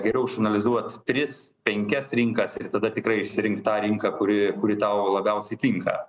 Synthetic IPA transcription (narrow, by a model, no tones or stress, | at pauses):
ɡʲɛɾʲɛʊɪʃɐnɐlʲɪzuɔt̪t̪ʲɾʲɪspʲɛŋʲkʲɛsɾʲɪŋkɐsɪrt̪ɐd̪ɐt̪ʲɪkrɐɪɪʃʲsʲɪɾʲɪŋktt̪ɑːɾʲɪŋkɐkʊɾʲɪkʊɾʲɪt̪ɐʊlˠɐbʲɛʊsʲɛɪt̪ʲɪŋkɐ̰